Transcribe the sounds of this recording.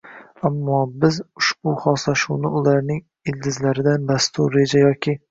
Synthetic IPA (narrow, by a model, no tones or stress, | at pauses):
amːɒbɪzʊʃbʊχɒslaʃʊwnɪʊlaɾnɪŋ | ɪld̪ɪzlaɾɪd̪anb̪ast̪ʰʊɾːe̞d͡ʒajɒkʲɪ